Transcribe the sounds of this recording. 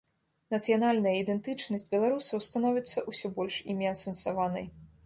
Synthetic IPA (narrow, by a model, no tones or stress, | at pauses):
nɐt̪sɨjanalʲnɐjɐid̪ɛnt̪ɨt͡ʂnɐsʲtʲbʲɛlˠaɾusɐwst̪anɔvʲit̪sːɐʔusʲɔbɔlʲʂḭmʲɛɐsɛnsavanɐ̰j